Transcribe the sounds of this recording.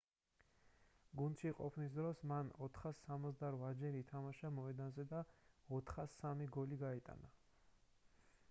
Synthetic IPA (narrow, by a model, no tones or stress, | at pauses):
ɡund̪ʃiqʼɔpʰnis̬d̪ɾɔsmanɔt̪ʰχasːamɔzd̪aɾvad͡ʒɛɾiːt̪ʰamaʃamɔɛd̪anzɛd̪aɔt̪ʰχasamiɡɔliɡait̪ʼa̰na